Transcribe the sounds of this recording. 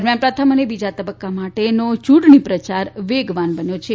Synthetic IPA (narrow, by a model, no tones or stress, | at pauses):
ɾmjampɾat̪ʰamənebid͡ʒat̪əbəkːamaʈenot͡ʃuʈɳipɾət͡ʃaɾʋeɡʋanbənjot͡ʃʰe